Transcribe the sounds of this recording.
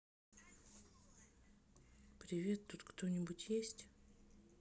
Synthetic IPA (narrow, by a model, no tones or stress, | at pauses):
pɾʲɪvʲe̞t̪ːut̪kt̪o̞nʲɪbʊtʲjesʲtʲ